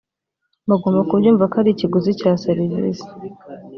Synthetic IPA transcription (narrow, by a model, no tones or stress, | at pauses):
mbaɡoːmbakubɟuːɱvakaɾiciɡuzicaːsaɾizḭzḁ